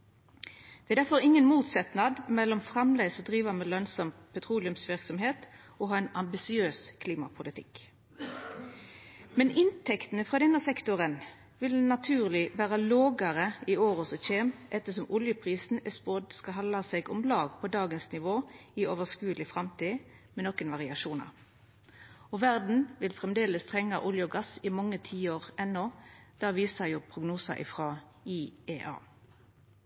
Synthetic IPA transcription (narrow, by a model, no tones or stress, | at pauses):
d̪̥ɛæd̪æfɔʁɪŋːənmuːt̪sɛt̪nɑd̪mɛlːɔmfʁɑmlesɔd̪ʁiːʋɑmɛlœnsɔmpʰɛt̪ʰʁuːlɪʉmsʋɪʁksɔmɦeːt̪ | ɔɦɑːɛnɑmbɪsɪøːskʰliːmɑpʰʊlɪt̪ʰɪ̰k | mɛnʔɪnt̪ʰɛkt̪nəfʁɑːd̪ɛnːəsɛkt̪ʊʁən | ʋɪlnɑt̪ʰʉːʁlɪʋæːʁɑloːɡəʁəɪoːʁʊsɔçeːmʔɛt̪ːəs̬ɔmʔʊljəpʰʁiːsn̩ɛspod̪skɑɦɑnɑseːɡʊmlɑːɡpʰɔd̪ɑːɡənsnɪʋoːioːʋəʁskʉːəlɪfʁɑmt̪iː | mɛnɔkːənʋɑʁɪɑʃuːnɑ̰ʁ | ɔʋæʁd̪n̩ʋɪlfʁɛmd̪eːləst̪ʰʁɛŋːɑʔʊljəɔɡɑsɪmɑŋːət̪ʰiːoːʁɛnːɔːd̪̥ɑːʋiːsəjuːpʰʁʊɡnuːsɑ̰ʔɪ̰fʁɑ | iːeːʔɑ̰ː